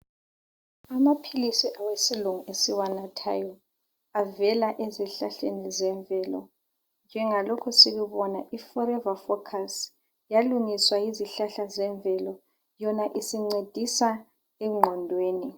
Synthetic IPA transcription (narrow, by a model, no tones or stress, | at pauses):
amapʰilisiʔawesiluŋuʔesiwanatʰa̰jɔ | avɛlaʔeziɬaɬenizɛɱbvʱɛːlɔ̰ | nd͡ʒʱɛŋalɔkʰɔsiɣuβɔnaʔifɔɾɛvafɔkʰas | jaluŋiswaiziɬaɬazɛɱbvʱɛlɔ | jɔnaʔisiŋ͡ǀed̥ʱisa | ɛŋ͡ǃʱɔndʱweːni